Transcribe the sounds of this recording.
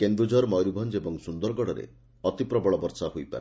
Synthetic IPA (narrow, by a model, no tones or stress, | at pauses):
kend̪ɾud͡ʒɔɾmɔjɾubʱɔnd͡ʒebɔŋsund̪ɔɾɡɔɽɔɾḛ | ɔt̪ipɾɔbɔɭɔbɔɾsahojpa̰ɾe